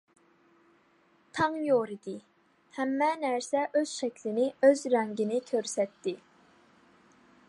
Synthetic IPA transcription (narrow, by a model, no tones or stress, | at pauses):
t̪ʰɑŋjoɾid̪ɪ | hæmːɛnæɾsɛʔøz̥ʃɛkʲʰlɪnɪøzɾɛŋɡʲinɪkʲʰøɾsɛt̪ːɪ